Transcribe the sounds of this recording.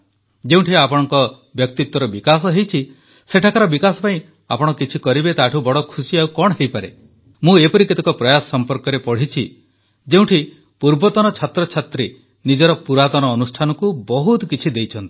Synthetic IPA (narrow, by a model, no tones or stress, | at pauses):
d͡ʒeũʈʰiapɔɽ̃ɔŋkɔ | bjɔk̚t̪it̪wɔɾɔbikas̬ɔɦejt͡ʃʰi | seʈʰakaɾɔbikasɔpaĩ | apɔɽ̃ɔkit͡ʃʰikɔɾibet̪aʈʰubɔɽɔkʰusiawkɔɽ̃ɔɦejpaɾe | mũepɔɾiket̪ɔkɔpɾɔjasɔsɔmpɔɾkɔɾepɔɽ̤it͡ʃʰi | d͡ʒeũʈʰi | puɾbɔt̪ɔnɔt͡ʃʰat̪ɾɔt͡ʃʰat̪ɾi | nid͡ʒɔɾɔpuɾat̪ɔñɔːnusʈʰanɔkubɔɦut̪kit͡ʃʰid̪ejt͡ʃʰɔnt̪i̥